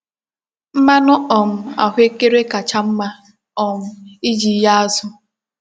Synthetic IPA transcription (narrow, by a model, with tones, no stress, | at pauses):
m̩˦ma˦nɔ˦ɔ˨m̩˦a̰˨ɦʊ˦e˦ke˦ɾe˦ka˨t͡ʃa˦m̩˦ma˦ | ɔ˨m̩˦i˦d͡ʒi˨˦ja˦a˦zʊ˦